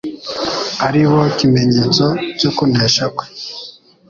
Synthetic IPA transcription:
aɾiβo̞kime̞ɲeːt͡socokun̥eːʃakwe

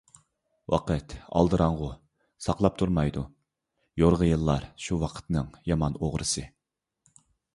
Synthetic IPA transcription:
wʔɑ̰qʰət̪ɑ̰lˠd̪ɨɾɑɴʁʊ | sɑqlˠɑp̚t̪ʰuɾmɑjd̪u | joɾʁəjɨlˠːɑɾʃuwɑqʰə̥t̪nɨŋjɑmɑnoʁɾɨsɨ

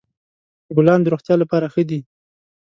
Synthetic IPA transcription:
bʊlɑnd̪əɾoxt̪jɑlapɑɾaxəd̪i

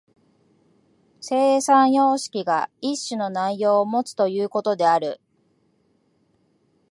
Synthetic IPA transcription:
se̞ːsãɰ̃jo̞ːɕi̥kʲiɡa̰iɕːɨno̞naijo̞ːmo̞t͡sɨ̥t̪o̞jɯ̟ːko̞t̪o̞d̪e̞aɾɯ̟̰

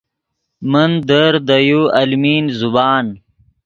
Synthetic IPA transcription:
mɐnd̪əɾd̪ɐjuːɐlmiːnzubaːn

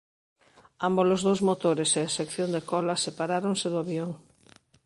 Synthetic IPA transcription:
ambolozðowzmot̪oɾeseesekθjond̪ekɔlasepaɾaɾoŋseðʊaβjoŋ

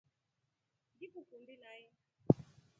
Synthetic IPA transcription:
ndikukundinajɛ

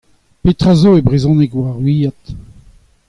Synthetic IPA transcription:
pet̪ʁazoebʁezɔ̃nɛkwaʁɥiːat̪

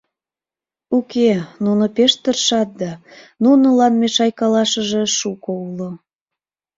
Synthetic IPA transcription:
ukenunopeʃt̪ərʃɑt̪̚d̪ɑnunolɑnmeʃɑjkɑlɑʃəʒeʃukoulo

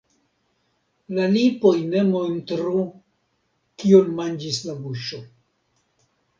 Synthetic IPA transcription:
lalipo̞jne̞montɾu | kionmand͡ʒislabuʃo̞

